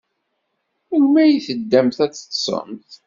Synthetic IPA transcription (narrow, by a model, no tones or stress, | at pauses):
əʝmæjiθəd̪ːæmθæt͡sːə̥t̪ːsˤə̰mθ